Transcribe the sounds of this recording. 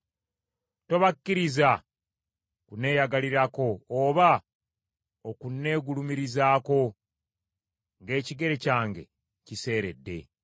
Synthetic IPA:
to̞βakːiɾiza | kune̞ːjaɡaliɾako̞ːβa | okunːe̞ːɡulumiɾizaːko̞ | ŋɡe̞ːciɡe̞ɾe̞caːŋɡe̞̰ | cise̞ːɾe̞̰dːe̞̰

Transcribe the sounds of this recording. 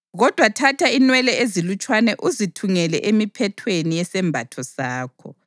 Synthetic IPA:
ɣɔd̥ʱwatʰatʰainwɛlɛezilut͡ʃʼwanɛʔuzitʰuŋɛlɛ̰ʔemipʰɛtʰwenijɛsɛmbʱatʰɔsaːkʰɔ

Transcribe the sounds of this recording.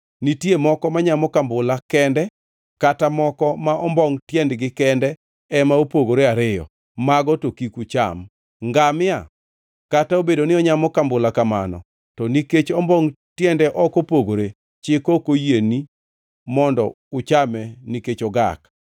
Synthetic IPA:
nitjemɔkɔmaɲamɔkambʊlakɛndɛ | katamɔkɔmaʔɔmbɔŋtjɛndɡɪkɛndɛ | ɛmaopoɡoɾeaɾɪjɔ̰ | maɡɔtokikut͡ʃa̰m | ŋɡamɪja | kataobedonɪɔɲamɔkambʊlakama̰nɔ̰ | tɔniket͡ʃɔmbɔŋ | tjɛndɛʔɔkopoɡoɾe | t͡ʃɪkokojeni | mɔndɔ̰ | ʊt͡ʃamɛniket͡ʃɔɡa̰k

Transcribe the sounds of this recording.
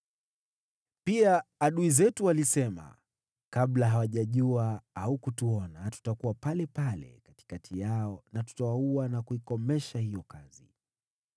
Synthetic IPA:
piaːɗuizɛtualisɛma̰ | kablaɦawaʄaʄuaaukutuɔnatu̥takuwapalɛpalɛ̰kati̥katʰijaɔnatu̥tawauanakuikɔmɛʃahijɔkazḭ

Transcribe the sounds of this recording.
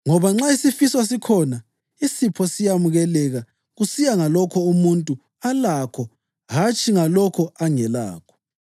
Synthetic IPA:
ŋɔβaŋ͡ǁaisifiswasikʰɔna | isipʰɔsijamuɣɛlɛɣa | ɣusijaŋalɔkʰɔumuntʼu | alakʰɔ | ɦat͡ʃʰʼiŋalɔkʰɔaŋɛla̰ːkʰɔ̥

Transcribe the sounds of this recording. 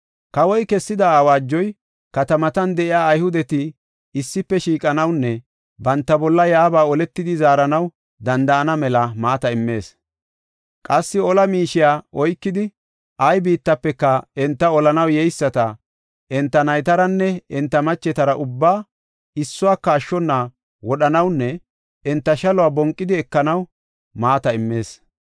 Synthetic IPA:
kɐwɔjkɛsːɪd̪ɐːwaːd͡ʒːɔj | kɐt̪ɐmɐt̪ɐnd̪ɛʔɪaːɐjhʊd̪ɛt̪ɪ | ɪsːɪpːɛʃiːkʼɐnɐwnːɛ | bɐnt̪ːɐbɔlːɐjaːbaːɔlɛt̪ːɪd̪ɪzaːɾɐnɐw | d̪ɐnd̪ɐʔɐnɐmɛlɐmaːt̪ɐɪmːe̞ːs | kʼɐsːɪɔlɐmiːʃɪjaːʔɔjkːɪd̪ɪ | ɐjbiːt̪ːɐpːɛkːɐɛnt̪ːɐɔlɐnɐwjɛjsːɐt̪ɐ | ʔɛnt̪ːɐnɐjt̪ɐɾɐnːɛɛnt̪ːɐmɐt͡ʃːɛt̪ɐɾɐʔʊbːaː | ɪsːʊwaːkːɐːʃːɔnːa | wɔɗɐnɐwnːɛ | ɛnt̪ːɐʃɐlɔwaːbɔŋkʼːɪd̪ɪɛkːɐnɐw | maːt̪ɐɪmːe̞ːs

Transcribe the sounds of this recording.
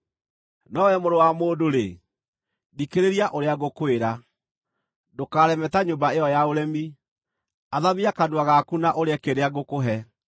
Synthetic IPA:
nɔwɛmoɾowamoːdoɾe | dikeɾeɾiaʔoɾeaɣokoeɾa | dokaːɾɛmɛtaɲombaeɔjaoɾɛmi | aðaβiakadwaɣakunaʔoɾeakeɾeaɣokoɦɛ

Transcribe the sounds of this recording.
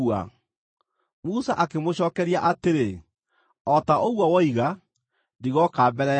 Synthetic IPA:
a̰ | muːsaʔakemoɕɔːkɛɾiaʔateɾe | ɔtaʔoɣwawɔiɣa | ndiɣɔkaːbɛɾɛ

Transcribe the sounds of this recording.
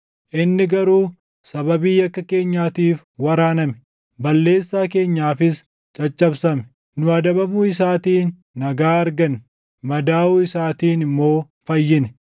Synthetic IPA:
ʔɪnːɪɡɐɾuː | sɐbɐbiːjɐkːɐke̞ːɲːaːt̪iːf | wɐɾaːnɐmɛ̥ | bɐlːe̞ːsːaːke̞ːɲːaːfɪs | t͡ʃʼɐt͡ʃʼːɐbsɐmɛ | nʊɐd̪ɐbɐmuɪsaːt̪iːnː | ɐɡaːɐɾɡɐn | mɐd̪aːuːɪsaːt̪iːnɪmːo̞ː | fɐjːɪn

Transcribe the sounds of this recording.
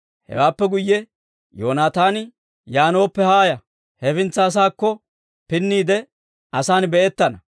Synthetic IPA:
hɛ̰waːpːɛɡʊjːɛ | joːnaːt̪aːnɪ | jaːno̞ːpːɛhaːjɐ | hɛfɪnt͡sːaːs̬aːkːɔ | pɪnːiːd̪ɛ | ʔɐsaːnbɛʔɛt̪ːɐnɐ

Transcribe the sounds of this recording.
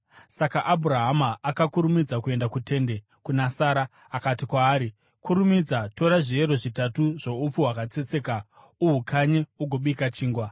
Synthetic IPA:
sakaʔabʱuɾaɦamaːkakuɾumid͡zakue̞ndakute̞nde̞ | kunasaːɾaː | katikwaːɾi | kʰuɾumid͡zato̞ɾaʐie̞ɾo̞ʐitatuʐo̞up͡fuwakat͡se̞t͡se̞ːka | uɦukʰaɲeuɡʱo̞ɓikat͡ʃiːŋɡwa

